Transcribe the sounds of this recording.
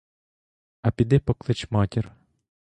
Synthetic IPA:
ɐpʲid̪ɪpɔklˠɪt͡ʃmɑtʲir

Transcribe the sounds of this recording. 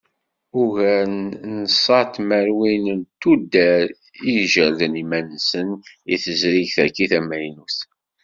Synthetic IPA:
ʊʝænnəsˤɑt̪mæɾwinənt̪ud̪ːæɾ | iʒəɾðənimænːsənḭθəzɾiʝθækːiθæmæjnuθ

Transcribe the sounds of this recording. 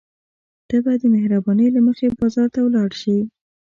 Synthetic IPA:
d̪̥abad̪əmɪhɾabɑnəjlaməxebɑzɑɾt̪awlɑɽʃi

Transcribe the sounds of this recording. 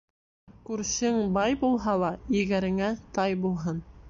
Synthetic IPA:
kʉɾsɘŋbɑjbulˠɦɑlˠɑjɘ̆ɡæɾɘ̆ŋæt̪ɑjbulˠɦɤn

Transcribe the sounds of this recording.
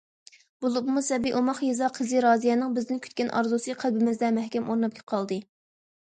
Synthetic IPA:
bolˠubmusɛbiʔomɑχjezɑqʰəzɨɾɑːzijɛnɪŋbɪznɪnkʲʰy̥t̪kʲɛnʔɑ̰ɾzusɨqʰælbɪmɪzd̪ɛmɛhkʲɛmʔoɾnɑp̚kʲʰɛ̥qʰɑlˠd̪ɨ

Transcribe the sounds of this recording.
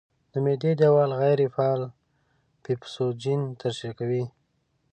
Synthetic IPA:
d̪̥əmed̪ed̪ewɑlɣajɾefɑːl | pipsod͡ʒint̪əɾʃakawi

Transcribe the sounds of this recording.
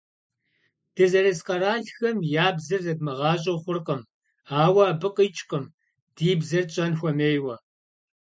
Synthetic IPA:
d̥ɐzɐɾɐsqɐɾaːɬxɐmjaːbzɨrzɐdmɐʁɑːɕ̬ʼɐχʷʊrqʼɐm | aːwɐːbɨqʼət͡ʃʼqʼəm | d̥iːbzɐrt͡ʃʼɐnxʷɔmeːjwɐ

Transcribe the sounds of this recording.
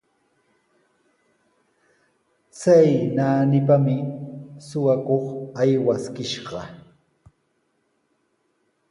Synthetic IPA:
t͡sajnaːnɪpamɪsʊwakoχajwaskɪʃɢɑ

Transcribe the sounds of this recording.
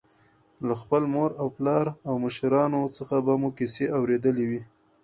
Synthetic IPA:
laxpəlmoɾawplɑɾawməʃɾɑnot͡səxabamukiseʔawɾed̪əlewi

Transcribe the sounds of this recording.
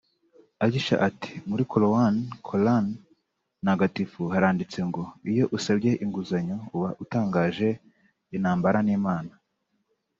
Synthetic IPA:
aɟiʃa̰ʔati̥muɾikolowankʰolanː | aɡatifuhaɾaːndit͡se̞ŋɡo̞ijo̞ʔusabɟe̞ʔiŋɡuzaɲouβaʔutaːŋɡaːʒe̞ | inaːmbaɾaniːmaːna

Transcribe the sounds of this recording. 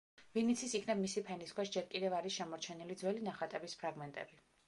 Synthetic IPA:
vinit̪sʰisikʰnɛbmisipʰɛniskʰwɛsd͡ʒɛɾkʼid̪ɛvaɾiʃɛmɔɾt͡ʃʰɛnilid̪zwɛlinaχat̪ʼɛbispʰɾaɡmɛnt̪ʼɛ̰bi

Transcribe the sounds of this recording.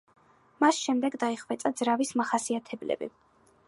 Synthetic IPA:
masʃɛmd̪ɛɡd̪aiχvɛt̪sʼad̪zɾavismaχasiat̪ʰɛblɛ̰bḭ

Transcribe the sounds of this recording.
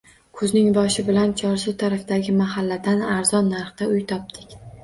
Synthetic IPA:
kʰɵznɪŋbɒʃɪbɪlant͡ʃʰɒɾsʊt̪ʰaɾafd̪aɡʲɪmaɦalːad̪anaɾz̥ɒnːaɾχt̪aʊjt̪ʰɒp̚d̪̥ɪkʲ

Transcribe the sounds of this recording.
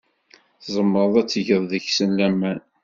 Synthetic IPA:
θzˤəmːəɾˤðˤæt͡sːʝəðˤðəçsənlæmæn

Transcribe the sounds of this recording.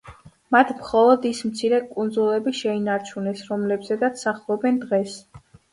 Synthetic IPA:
mat̪ʰmχɔlˠɔd̪ismt̪sʰiɾɛkʼund̪zulˠɛbiʃɛinaɾt͡ʃʰunɛsɾɔmlɛbzɛd̪at̪ssaχlˠɔbɛnd̪ʁɛs

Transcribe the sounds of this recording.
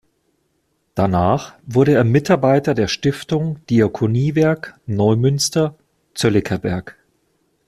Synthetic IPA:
d̥anaːχvʊɐɾəeːɐmɪtʰaɐbaɪtɐdeːɐʃtɪftʊŋd̥iakʰoniːvɛɐknɔʏmʏnstɐ | t͡sœlɪkʰɐbɛɐk

